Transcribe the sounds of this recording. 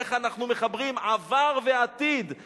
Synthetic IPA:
eχanaχnumeχabʁimavaʁveat̪id̪

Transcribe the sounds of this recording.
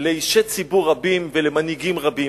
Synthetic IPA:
leiʃet͡sibuʁabimvelemaniɡimʁabi

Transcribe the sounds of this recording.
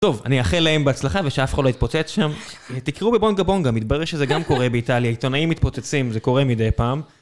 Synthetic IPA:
t̪o̞va̰niaχelaembeat͡slaχaveʃeafe̥χadloit̪̚pot͡set͡sʃamt̪ikiʁubebonɡabo̞nɡamit̪̚baʁeʁʃezeɡamko̞ʁebeitaljait̪o̞naimːit̪̚po̞t͡set͡simzeko̞ʁemid̪ejpaːm

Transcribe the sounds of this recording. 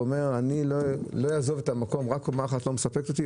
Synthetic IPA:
ome̞ʁanilolo̞jazo̞vet̪amako̞mʁakomaχatlo̞mesapektot̪i

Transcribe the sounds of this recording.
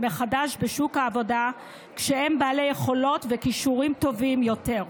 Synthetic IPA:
me̞χadaʃbeʃukhaːvo̞da | kʃehembaːle̞jeχo̞lo̞tvekiʃuʁimto̞vimjo̞te̞ʁ

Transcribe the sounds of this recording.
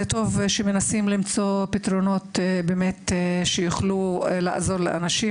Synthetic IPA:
to̞vʃeme̞nasimlimt͡so̞pit̪ɾo̞no̞t̪bemet̪ʃejuχlula̰ʔa̰zo̞ʁlḛʔa̰naʃi

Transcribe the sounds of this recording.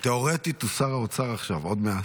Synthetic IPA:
t̪eo̞ʁet̪it̪usaʁaot͡saʁaχʃavo̞d̪mea

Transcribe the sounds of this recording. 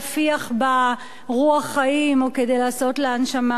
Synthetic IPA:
fiaχba | ʁuaχːaimo̞kedejlaːso̞tleanʃama

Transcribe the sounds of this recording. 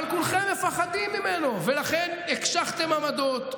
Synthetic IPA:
alkulχemːefaχad̪imːimeno̞velaχenekʃaχt̪e̞mamad̪ot̪

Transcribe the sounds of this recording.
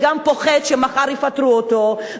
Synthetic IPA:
ɡampo̞χetʃemaχaʁifatʁuoto

